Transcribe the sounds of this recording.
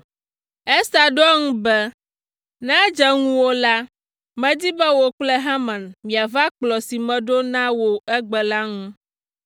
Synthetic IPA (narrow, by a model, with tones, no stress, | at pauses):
ɛ˦sa˨ɖɔ˦ŋũ˦bɛ˦ | nã˦d͡ʒɛ˦ŋũ˦wo˦la˦ | mɛ̃˦d̪i˦bɛ˦wo˨k͡plɛ˦ɦã˦mã˨nmĩ˨a˨va˦k͡plɔ˨si˨mɛ̃˨ɖo˦nã˦wo˨ɛ˦ɡ͡bɛ˨la˦ŋũ˦